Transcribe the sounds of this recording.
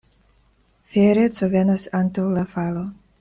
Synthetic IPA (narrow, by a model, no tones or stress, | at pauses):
feɾet͡sovenasant̪awlafalo